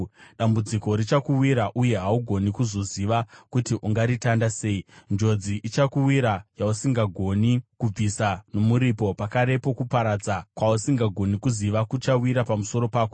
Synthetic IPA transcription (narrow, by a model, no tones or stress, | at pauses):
ɗambud͡ziko̞ɾit͡ʃakuwiɾaʔuje̞ɦauɡʱo̞nikuzoziʋakutiʔuŋɡaɾitandase̞ind͡ʒo̞d͡ziʔit͡ʃakuwiɾajausiŋɡaɡʱo̞nikub͡visano̞muɾipo̞pakaɾe̞po̞kupaɾad͡zakwausiŋɡaɡʱo̞nikuziʋakut͡ʃawiɾapamuso̞ɾo̞paːko